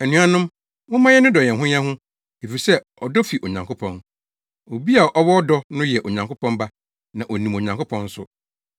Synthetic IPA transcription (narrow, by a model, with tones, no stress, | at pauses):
ɛ˨nũ˨˦a˦nʊ̃˦m | wʊ̃˦mã˦jɛ˦nʊ̃˦dɔ˨ɲɛ̃˨n˨ɦʊ̃˦ɲ˦ã˦ɦʊ̃˦ | e˨fi˨sɛ˦ | ɔ˨dɔ˦fi˨ʔo˨ɲã˨ŋkʰʊ˦pʰɔ̃˨n | o˨bi˦a˨ʔɔ˦wɔ˦ɔ˦dɔ˦nʊ̃˦jɛ˨ʔo˨ɲã˨ŋkʊ˦pʰɔ̃˦nba˦ | nã˨ʔo˨nĩ˨mo˨ɲã˨ŋkʊ˦pʰɔ̃˦n̩˦sʊ˦